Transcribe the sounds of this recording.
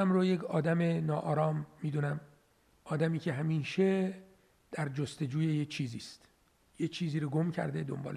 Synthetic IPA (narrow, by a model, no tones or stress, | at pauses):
æmɾojecʰɒːd̪æme̞nɒːʔɒːɾɒːmːiːd̪uːnæm | ʔɒːd̪æmiːcʰeɦæmiːʃe | d̪̥æɾd͡ʒost̪e̞d͡ʒuːjejet͡ʃʰiːziːst̪ | jet͡ʃʰiːziːɾoɡo̞mcʰæ̰ɾd̪ed̪o̞̰mbɒ̰ːl